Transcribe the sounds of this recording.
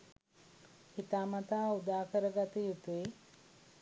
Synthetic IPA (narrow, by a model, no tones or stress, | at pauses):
it̪aːmat̪aːud̪aːkəɾəɡat̪ijut̪ui